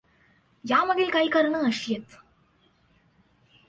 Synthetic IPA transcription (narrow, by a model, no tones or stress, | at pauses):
jaməd̪ʱilkaikəɾɳəəɕjet̪